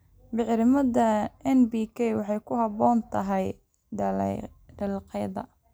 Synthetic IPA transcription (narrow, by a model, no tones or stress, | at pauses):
bɪʕɾɪmɐðɐɛnbiːkʰɛjwɑħɑjkʰʊhɑbɔːnt̪ʰɐɦɛj | ɖɐlɛ̰ɖɐlqɛjðɐ̰